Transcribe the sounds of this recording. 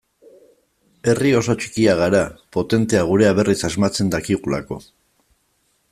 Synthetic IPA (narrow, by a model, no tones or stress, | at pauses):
e̞rio̞so̞t͡ʃi̥kiaɣ̞aɾapo̞t̪e̞nt̪e̞aɣ̞uɾe̞aβ̞e̞risazmat͡se̞nd̪akiɣula̰ko̞̰